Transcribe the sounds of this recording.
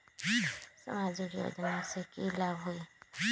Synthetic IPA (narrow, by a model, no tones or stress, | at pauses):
sə̰maːd͡ʒikjo̰ːd͡ʒnasekilabɦoi